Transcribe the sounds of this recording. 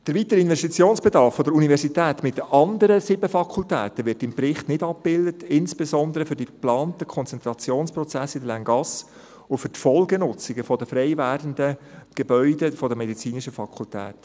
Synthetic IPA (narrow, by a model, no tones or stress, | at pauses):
d̥əɾʋiːtəɾɪnvɛstit͡sjoːnsb̥edɑɾfːɔdəɾunivɛɾsitɛːtmɪtəʔɑndəɾəsɪbəfɑkʰultɛ̰ːtəʋɪrtɪmpɾɪχtnɪdɑp̚b̥ɪldətʰɪnsb̥esɔnd̪əɾəfʏɾdiplɑːntəkʰɔnt͡sɛnt̪ɾɑt͡sjoːnspɾɔt͡sæsːɪdəlæŋɡɑs | ʊfʏɾtfɔlɡənʊt͡sɪɡəfɔdəfɾɛɪvæːrdəndəɡ̥ebœʏdəfɔdəmɛdit͡siːniʃəfɑkʰultɛ̰ːt